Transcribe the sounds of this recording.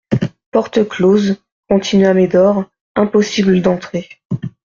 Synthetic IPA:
pɔʁt̪əkloz | kɔ̃t̪ʰinɥamed̪ɔʁ | ɛ̃pɔsibləd̪ɑ̃t̪χe

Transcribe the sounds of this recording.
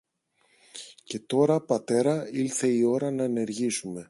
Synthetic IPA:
ce̞t̪o̞ɾɐpɐt̪e̞ɾɐilθe̞io̞ɾɐnɐene̞ɾʝisume̞

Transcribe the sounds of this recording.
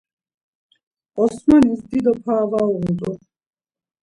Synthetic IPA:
ɔsmanisd̪id̪ɔpʰaːvauʁut͡s̪ʼṵχ

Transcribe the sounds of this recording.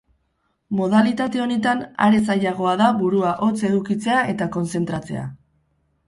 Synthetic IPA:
mo̞ð̞alit̪at̪e̞o̞ne̞t̪ana̰ɾe̞saʎaɣ̞o̞aðaβuɾuaʔo̞t͡se̞ðukit͡se̞aʔe̞t̪ako̞nse̞nt̪ɾat͡se̞̰a̰

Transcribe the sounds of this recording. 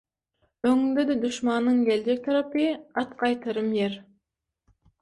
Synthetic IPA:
ɵŋɪnd̪ed̪ɪd̪ʊʃmɑnːəɴɡʲeld͡ʒek̚t̪ʰɑɾɑpijɑt̪qʰɑjt̪əɾəmjeɾ

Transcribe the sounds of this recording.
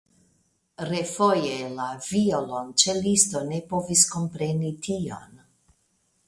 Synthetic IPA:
ɾe̞fo̞jelaviolont͡ʃelisto̞ne̞po̞visko̞mpɾe̞nitʰio̰n

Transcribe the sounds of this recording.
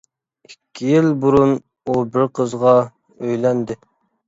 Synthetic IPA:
ikʲʰːijilbuɾun | ubɪɾqʰəzʁɑ | øjlɛnd̪ɪ

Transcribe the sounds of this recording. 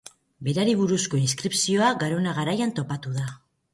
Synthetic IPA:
be̞ɾaɾiβ̞uɾusko̞inskɾipsio̞aɡaɾo̞naɣ̞aɾajant̪o̞pat̪uða

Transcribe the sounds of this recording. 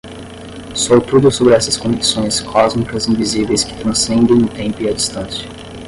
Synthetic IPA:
sowt̪ud̪ʊsobɾɪɛsɐskõd͡ʒisõj̃skʰɔzmikɐzĩvizivejskɪ̥t̪ɾɐ̃sẽnd̪ẽj̃nʊt̪ẽmpʊiɐd͡ʒist̪ɐ̃sjɐ̥

